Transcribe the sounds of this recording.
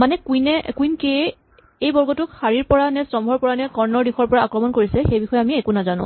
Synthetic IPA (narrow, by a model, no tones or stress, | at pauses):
manɛkuinɛkuinke | ejbɔɹɡɔtʊkxaɹiɹpɔɹanɛsɔmbʱɔɹpɔɹanɛkɔɹnɔɹdixɔɹpɔɹaːkɹɔmɔnkoɹisɛxejbixɔjɛamiɛkʊnazanʊ̰̃